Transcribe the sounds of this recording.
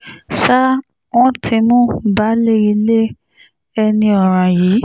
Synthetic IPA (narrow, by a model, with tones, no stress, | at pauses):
ʃa˦ | w̃ɔ̃˦tʰi˧mũ˦ba˨˦le˦i˧le˦ | ɛ˧nĩ˧ɔ˨ɾ̃ã˨jiː˨˦